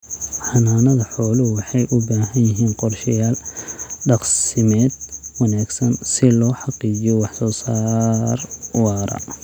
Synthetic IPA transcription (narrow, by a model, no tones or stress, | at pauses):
ħɑnaːnɐðɐħɔːlʊwɑħɑjʔʊbaːɦɐnjɪɦiːnqɔrʃɐjaːlɖɑqsɪmɛːd̪wɑnaːɡsɐnsɪlɔːħɑqiːt͡ʃɪjɔwɑħsɔːsaːrwɑːɾɐ̰